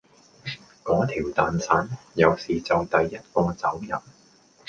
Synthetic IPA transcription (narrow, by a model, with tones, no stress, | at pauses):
kɔː˨˥t̪ʰiː˨˩wt̪aː˨nsaː˨˥njɐ˨˧wsiː˨t͡sɐ˨wt̪ɐ˨jːɐ˥t̚kɔː˧t͡sɐ˨˥wjɐ̰˨˩n